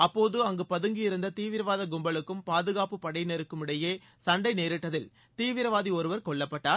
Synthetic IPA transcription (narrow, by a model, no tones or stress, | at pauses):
ɐpːoːðɯɐŋɡɯpɐðɯŋɡijɪɾɯnd̪ɐt̪iːʋɪɾɐʋaːðɐɡʊmbɐɭɯkːɯmpaːðɯɣaːpɯpɐɽɐɪnɛɾɯkːɯmɪɽɐjeː | sɐɳɖɐɪneːɾɪʈːɐðɪl | t̪iːʋɪɾɐʋaːðiɔɾɯʋɐɾkɔɭːɐpːɐʈːaː